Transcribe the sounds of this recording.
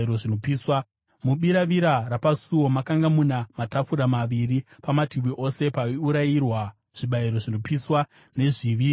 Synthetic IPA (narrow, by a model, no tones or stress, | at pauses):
ɾo̞ʐinopiːswa | muɓiɾaʋiɾarapasuwo̞makaŋɡamunamatafuɾamaʋiripamatiʋiʔo̞se̞paiuɾairwa | ʐ̥iɓaiɾo̞ʐino̞piswa | ne̞ʐiʋiːi